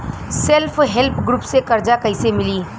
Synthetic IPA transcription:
selpʰɦelpʰɡɾuːpsekɐɾd͡ʒakɐisemɪliː

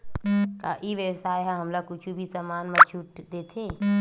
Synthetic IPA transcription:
kaʔiʋjəwsaːjɦãɦəmlakʊt͡ʃʰubʱisəmaːnmə̃t͡ʃʰuʈd̪eːt̪ʰe

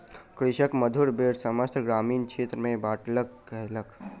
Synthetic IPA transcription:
kɾɪʃəkməd̪ʱuɾbeɽsəməst̪ɡɾaːmiːnt͡ʃʰeːt̪ɾəmẽbaːʈləkː | əɦlək

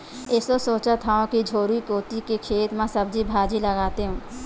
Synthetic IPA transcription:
ɪsosoːt͡ʃat̪ʰaːõkid͡ʒʱoːɾuikoːt̪ikekʰeːt̪mãsɐb̚d͡ʒʱibʱaːd͡ʒilɐɡaːt̪eɦũː

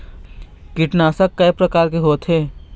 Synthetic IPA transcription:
kɪʈnaːsakːɐːpɾɐkaːɾkeɦoːt̪ɦeː

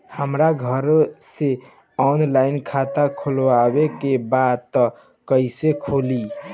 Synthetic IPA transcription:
həmɾaɡʱəɾse | ɔnlainkʰat̪akʰolwabekebad̪̚t̪ɔ | kəɪsekʰoli

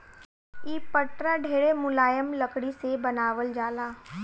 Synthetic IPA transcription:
iːpəʈɾaɖʱeːɽemʊlaːjəmlɐkɽisebɐnaːʋəld͡ʒaːlaː

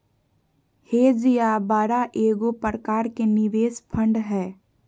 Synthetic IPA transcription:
heːd͡ʒijabaːɾaʔeːɡopɾəkaːɾkenɪʋeːspʰə̃ɳɖɦɛː

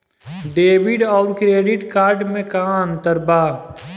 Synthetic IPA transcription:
ɖeːbɪɖɔːɾkɾeːɖɪʈkaːɾɖmẽkaːə̃nt̪əɾbaː

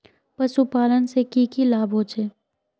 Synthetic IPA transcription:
pɐsupaːlənsekiːkilaːbʱɦoːt͡ʃeː

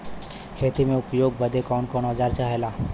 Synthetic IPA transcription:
kʰeːt̪imẽʊpjoːɡ̚bəd̪ʱekɔːnkɔːnəd͡ʒaːɾt͡ʃaːɦelaː

